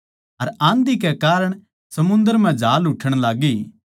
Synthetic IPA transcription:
ɐɾãːnd̪ikekaːɾəɽ̃ | sɐmʊ̃nd̪əɾmɛ̃d͡ʒʱaːlʊʈʰːəɽ̃laːɡi

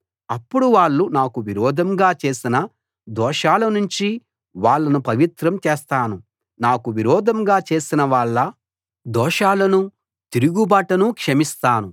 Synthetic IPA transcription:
ɐpːuɽuʋaːɭːunaːkuʋiɾɔːd̪ʱɐmɡaːt͡ʃe̞ːsinɐ | d̪ɔːʂaːlɐnuɲt͡ʃi | ʋaːɭːɐnupɐʋit̪ɾɐmt͡ʃɛːst̪aːnu | naːkuʋiɾɔːd̪ʱɐmɡaːt͡ʃe̞ːsinɐʋaːɭːɐ | d̪ɔːʂaːlɐnu | t̪iɾuɡubaːʈɐnukʂɐmist̪aːnu

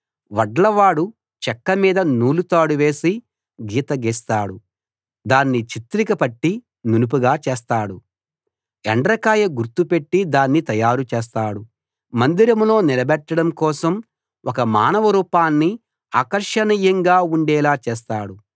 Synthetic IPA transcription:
ʋɐɖlɐʋaːɽu | t͡ʃɛkːɐmiːd̪ɐnuːlut̪aːɽuʋe̞ːsi | ɡiːt̪ɐɡiːst̪aːɽu | d̪aːnːit͡ʃit̪ɾikɐpɐʈːi | nunup̬uɡaːt͡ʃeːst̪aːɽu | ɛɳɖɾɐkaːjɐɡuɾt̪upe̞ʈːid̪aːnːit̪ɐjaːɾut͡ʃɛːs̬t̪aːɽu | mɐnd̪iɾɐmlo̞ːnilɐbɛʈːɐɽɐmkɔːsɐm | wʔɔkɐmaːnɐʋɐɾuːpaːnːi | aːkɐɾʂɐniːjɐŋɡaːuɳɖɛːlaːt͡ʃɛːs̬t̪aːɽu

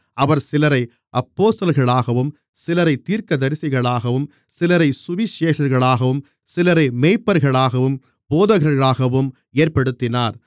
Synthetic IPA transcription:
ɐʋɐɾsɪlɐɾɐɪ | ʔɐpːoːst̪ɐlɣɐɭaːɣɐʋɯm | sɪlɐɾɐɪt̪ːiːɾkɐd̪ɐɾɪsɪɣɐɭaːɣɐʋɯm | sɪlɐɾɐɪsʊʋɪʃeːʂɐɾɣɐɭaːɣɐʋɯm | sɪlɐɾɐɪmeːɪpːɐɾɣɐɭaːɣɐʋɯm | boːðɐɣɐɾɣɐɭaːɣɐʋɯm | eːɾpɐɽɯt̪ːɪnaːɾ

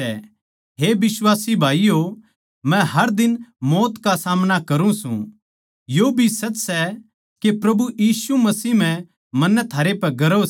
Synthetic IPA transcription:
ɛ̰ | ɦeːbɪswaːsibʱaːijo | mɛ̃ɦɐɾd̪ɪnmɔːt̪kasaːmnakɐɾũsṵ̃ | jobʱisɐt͡ʃːsɛ | kepɾɐbujiːsumɐsiːɦm̤ɛ̃ | mɐ̃nːɛt̪ʰaːɾepɛɡɐɾo

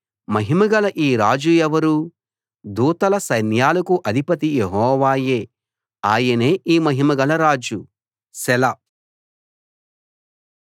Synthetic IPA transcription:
mɐɦimɐɡɐlɐʔiːɾaːd͡ʒuɛʋɐɾu | d̪uːt̪ɐlɐsɐjnjaːlɐkuʔɐd̪ʱipɐt̪ijeɦɔːʋaːjeː | aːjɐne̞ːʔiːmɐɦimɐɡɐlɐɾaːd͡ʒu | sɛlɐ

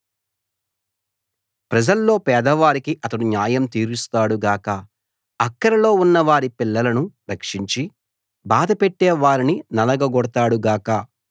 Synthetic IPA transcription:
pɾɐd͡ʒɐlːo̞ːpɛːd̪ɐʋaːɾikiʔɐt̪ɐɽunjaːjɐmt̪iːɾust̪aːɽuɡaːkɐ | ɐkːɐɾɐlo̞ːunːɐʋaːɾipilːɐlɐnuɾɐkʂiɲt͡ʃi | baːd̪ɐpeʈːɛːʋaːɾininɐlɐɡɐɡɔɽɐt̪aːɽuɡaːkɐ

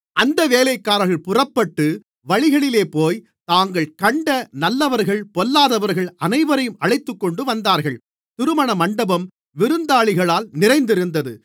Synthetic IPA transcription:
ʔɐnd̪ɐʋeːlɐɪkːaːɾɐɣɐɭpʊrɐpːɐʈːɯ | ʋɐɻɪɣɐɭɪleːpoːj | t̪aːŋɡɐɭkɐɳɖɐnɐlːɐʋɐɾɣɐɭpɔlːaːðɐʋɐɾɣɐɭɐnɐɪʋɐɾɐjɯmɐɭɐɪt̪ːɯkːɔɳɖɯʋɐnd̪aːɾɣɐɭ | t̪ɪɾɯmɐɳɐmɐɳɖɐbɐm | ʋɪɾɯnd̪aːɭɪɣɐɭaːlnɪrɐɪnd̪ɪɾɯnd̪ɐðɯ

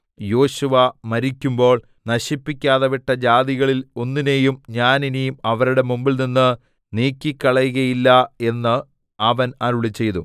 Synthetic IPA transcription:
jo̞ːɕuʋɐmɐɾikʲːumbo̞ːɭ | nɐɕipːikʲːaːðɐʋiʈːɐd͡ʑaːðiɣɐɭilo̞nːinejumɲaːninijumɐʋɐɾuɽe̞mumbilninːɨ | niːkʲːikʲːɐɭɐjuɣɐjilːɐe̞nːɨ | ɐʋɐnaɾuɭit͡ɕːe̞jðṵ

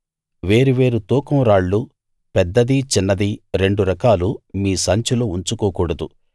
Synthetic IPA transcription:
ʋe̞ːɾuʋe̞ːɾut̪uːkɐmɾaːɭːu | pɛd̪ːɐd̪it͡ʃinːɐd̪iɾe̞ɳɖuɾɐkaːlumiːsɐɲt͡ʃuloːuɲt͡ʃukoːkuːɽɐd̪u

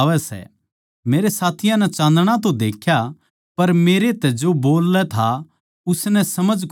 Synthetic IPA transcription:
ʋɛsɛ̰ | meːɾesaːt̪ʰɪjãnɛt͡ʃãːnd̪ɽ̃at̪̬od̪eːkʰja | pɐɾmeːɾet̪ɛd͡ʒoboːlːɛt̪ʰa | ʊsnɛ̃sɐməd͡ʒk

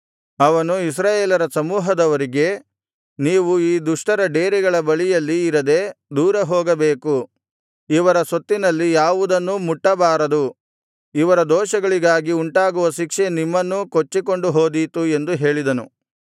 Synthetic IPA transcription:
ɐʋɐnuis̬ɾaːjeːlɐɾɐsɐmuːɦɐd̪ɐʋɐɾiɡe̞ | niːʋuiːd̪uʂʈɐɾɐɖeːɾiɡɐɭɐbɐɭijɐlːiːɾɐd̪e̞d̪uːɾɐɦoːɡɐbeːku | iʋɐɾɐsot̪ːinɐlːijaːʋud̪ɐnːumuʈːɐbaːɾɐd̪u | iʋɐɾɐd̪ɔːʃɐɡɐɭiɡaːɡiuɳʈaːɡuʋɐʃikʂenimːɐnːukot͡ʃːiko̞ɳɖuɦoːd̪it̪ue̞nd̪uɦe̞ːɭid̪ɐnu

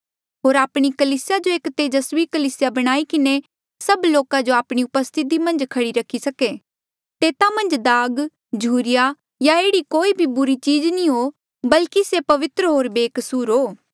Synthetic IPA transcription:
ɦoːɾaːpɽ̃ikɐliːsɪjad͡ʒoeːkt̪eːd͡ʒɐswikɐliːsɪjabɐɽ̃aːikɪne | sɐbloːkãd͡ʒoaːpɽ̃iʊpəst̪ʰɪt̪̬imɐ̃nd͡ʒkʰɐɽiɾɐkʰːisɐke | t̪eːt̪amɐ̃nd͡ʒd̪aːɡ | d͡ʒʱuːɾɪja | jaeːɽikoːibʱibʊɾit͡ʃiːd͡ʒnĩɦo | bɐlkisepɐʋɪt̪ɾəɦoːɾbeːksuːɾɦoː

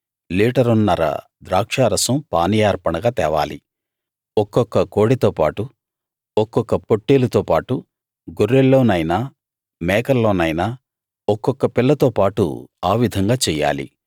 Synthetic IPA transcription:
liːʈɐɾunːɐɾɐ̰ | d̪ɾaːkʂaːɾɐsɐmpaːnijaːɾpɐɳɐɡaːt̪ɛːʋa̰ːlḭ | ɔkːɔkːɐko̞ːɽit̪oːpa̰ːʈu | ɔkːɔkːɐpoʈːeːlɐt̪oːpaːʈu | ɡoɾːelːo̞ːnɐjnaː | mɛːkɐlːo̞ːnɐjnaː | ɔkːɔkːɐpilːɐt̪oːpaːʈṵaːʋid̪ʱɐŋɡaːt͡ʃɛːja̰ːlḭ

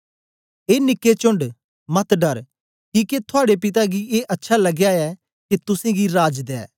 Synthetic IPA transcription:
eːnɪkːet͡ʃʊ̃ɳɖ | mɐt̪ɖɐɾ | kiːket̪ʰʊaːɽepɪt̪aɡieːʔɐtːʃʰalɐɡjaɛː | ket̪ʊsẽɡiɾaːd͡ʒd̪ɛ̰ː

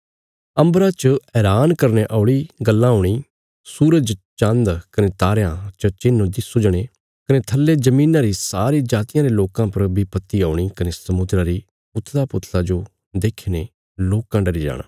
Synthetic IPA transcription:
ɐ̃mbɾat͡ʃəɛːɾaːnkɐɾneʔaːʊɭiɡɐlːãɦoːɽ̃iː | suːɾəd͡ʒt͡ʃə̃nd̪kɐnet̪aːɾjãt͡ʃət͡ʃɪnːõd̪ɪsʊd͡ʒəɽ̃e | kɐnet̪ʰɐlːed͡ʒɐmĩːnãːɾisaːɾid͡ʒaːt̪ɪjãːɾeloːkãpɐɾbʱipɐt̪ːiaːɽ̃ikɐnesɐmʊd̪ɾaɾi | ʊt̪ʰːlapʊt̪ʰlad͡ʒo | d̪eːkʰene | loːkãɖɐɾid͡ʒa̰ːɽa̰ː

